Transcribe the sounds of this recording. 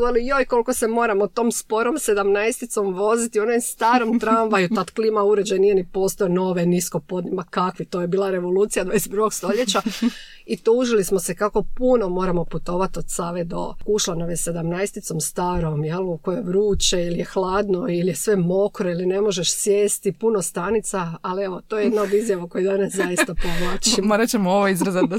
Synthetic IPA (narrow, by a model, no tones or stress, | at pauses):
elijojko̞lkosemo̞ːɾamot̪oːmspo̞ɾo̞mse̞d̪amnaest̪it̪so̞mʋo̞zit̪ionojst̪aːɾomt̪ɾanʋajut̪at̪klimauɾed͡ʑajnijenipoːst̪ojeno̞ʋenisko̞pod̪nimakakʋit̪ojebiːlˠaɾe̞ʋo̞lˠuːt̪sijad̪ʋad̪ese̥t̪p̪ɾuɡo̞ɡst̪o̞ʎet͡ɕa | it̪uːʒilismosekako̞puno̞mo̞ːɾamo̞put̪o̞ːʋat̪od̪saʋed̪o̞̰kuʃlanoʋjese̞d̪amnajst̪it̪so̞mst̪aːɾomjelukojeʋɾuːt͡ʃeilijexlˠaːd̪noilije̞sʋe̞mo̞kɾoiline̞mo̞ʒe̞ʃsjeːst̪ipuno̞st̪anit̪saːlieʋo̞t̪o̞ːjejed̪naod̪izjaʋako̞jid̪anaszajist̪apoʋlat͡ʃimoɾat͡ɕemooʋoizɾazad̪